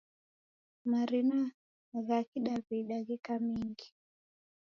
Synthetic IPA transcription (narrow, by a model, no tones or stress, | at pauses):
maɾina | ɣakiɗaβiɗaɣɛkamiŋɡi